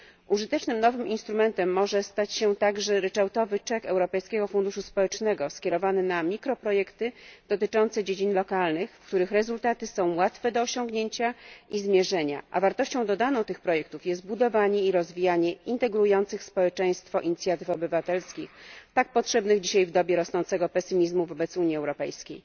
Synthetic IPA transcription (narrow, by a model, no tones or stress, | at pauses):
ʔuʐɘt̪ɛt͡ʂnɘmnɔvɘmʔinst̪ɾumɛnt̪ɛmːɔʐɛst̪at͡ɕɕɛt̪aɡʐɛɾɛt͡ʂawt̪ɔvɘt͡ʂɛkɛwɾɔpɛjskʲɛɡɔfund̪uʂuspɔwɛt͡ʂnɛɡɔskʲɛɾɔvanɘnamʲikɾɔpɾɔjɛkt̪ɘd̪̥ɔt̪ɘt͡ʂɔnt̪sɛd͡ʑed͡ʑinlɔkalnɘxfk̚t̪uɾɘxɾɛzult̪at̪ɘsɔ̃w̃wat̪fɛd̪ɔːɕɔ̃ŋɡɲeɲt͡ɕaizmʲjɛʐɛɲa̰ʔa̰vaɾt̪ɔɕt͡ɕɔ̃w̃d̪ɔd̪anɔ̃w̃t̪ɘxpɾɔjɛk̚t̪ufjɛst̪̚bud̪ɔvaɲɛiɾɔzvʲijaɲɛint̪ɛɡɾujɔnt̪sɘxspɔwɛt͡ʂɛj̃st̪fɔʔiɲit̪sʲjat̪ɘfɔbɘvat̪ɛlskʲixt̪ak̚pɔtʂɛbnɘɣd͡ʑiɕajvd̪ɔbʲjɛɾɔsnɔnt̪sɛɡɔpɛsɘmʲizmuvɔbɛt̪suɲiɛwɾɔpɛjskʲḛj